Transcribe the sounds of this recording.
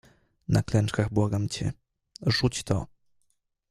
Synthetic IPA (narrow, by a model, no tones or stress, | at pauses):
naklɛnt͡ʂkaɣbwaɡamt͡ɕɛ̰ | ʐut͡ɕt̪ɔ̰